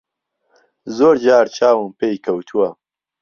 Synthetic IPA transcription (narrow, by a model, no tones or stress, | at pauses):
zoːɾd͡ʒaːɾt͡ʃʰaːwɨmpeːjkʰɐwt̪ʰuwɐ